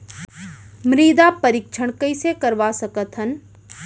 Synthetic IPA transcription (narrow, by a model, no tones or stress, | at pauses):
mɾiːd̪apəɾɪkt͡ʃʰəɽ̃kɐɪsekəɾʋasəkət̪ɦən